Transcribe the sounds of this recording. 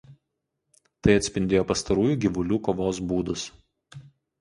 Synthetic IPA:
t̪ɐɪɐt̪ʲsʲpʲɪnʲd̪ʲeːjoːpɐst̪ɐɾuːjuːɡʲɪʋʊlʲuːkoːʋoːsbuːd̪ʊs

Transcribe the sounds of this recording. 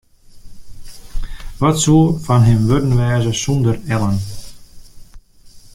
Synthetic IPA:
ʋɑtsuəfɑnɦɪmʋødənʋɛːzəsɔndərɛlˠən

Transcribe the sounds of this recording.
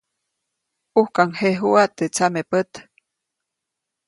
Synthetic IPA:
uhkaŋheɦuat̪ːet͡samepət̪

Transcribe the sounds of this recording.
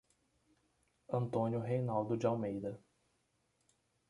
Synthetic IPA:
ɐ̃nt̪õnjʊɦejnawd̪ʊd͡ʒɪawmejd̪ɐ

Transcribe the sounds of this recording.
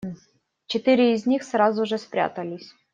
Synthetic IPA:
t͡ɕɪt̪ɨɾʲɪːzʲnʲixsrazʊʐɛspɾʲa̰t̪əlʲɪsʲ

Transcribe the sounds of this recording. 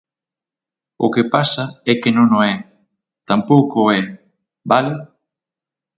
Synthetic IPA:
ʊ̰kepasaɛkenõŋnoɛ | t̪ampowkoɛ | bale

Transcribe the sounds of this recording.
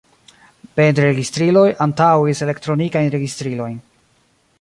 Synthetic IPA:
bendɾɾeɡistɾilo̞jantawise̞le̞ktɾo̞nikajnɾe̞ɡistɾilo̞jn

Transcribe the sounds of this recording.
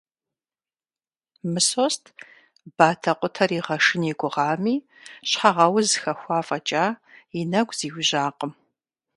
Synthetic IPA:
mɨsostʰ | b̥aːtʰɐqʷʼʊtʰɐɾiːʁɐʂɨniɡʷʼʊʁɑːmiː | ɕħaʁɐwzɨxɐxʷɑːfʼɐt͡ʃʼaːɪnɐɡʷʼz̥iːwʊʑaːqəm

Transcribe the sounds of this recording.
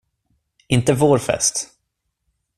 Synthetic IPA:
ɪnt̪əvoːɾfɛ̰st̪

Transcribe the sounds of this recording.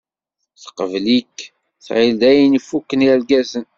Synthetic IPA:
θə̥qəvlikː | θʕild̪æjənifukːəniælɡæzən

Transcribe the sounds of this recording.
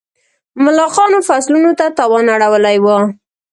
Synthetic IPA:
mʊlɑqɑnofaslunot̪at̪ɑwɑnaɽawəlajwə

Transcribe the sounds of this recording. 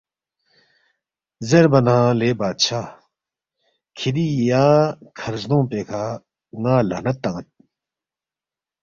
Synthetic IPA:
zeɾbɐnãːleːbaːt̪̚t͡ɕʰaː | kʰid̪ijaːkʰɐɾznõːpeːkʰaː | ŋaːlɐ̰nɐt̪ːɐŋɐt̪̚

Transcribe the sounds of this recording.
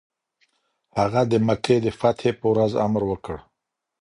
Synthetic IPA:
haɣad̪əməked̪əfat̪hepəwɾaza̰mɾwəkəɽ

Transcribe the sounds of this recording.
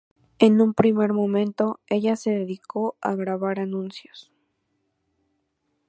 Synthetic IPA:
e̞nũmpɾime̞ɾmomẽ̞nt̪o̞e̞ʝase̞ðeðiko̞a̰ɣɾaβaɾanũnsjos

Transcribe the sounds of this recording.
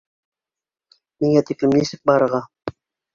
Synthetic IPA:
miŋæt̪iklɘmnisɘk̚bɑɾɤ̆ɾʁɑ

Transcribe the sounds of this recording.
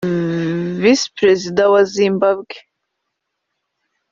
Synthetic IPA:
vispʰrezid̪awazimbabɡʲ

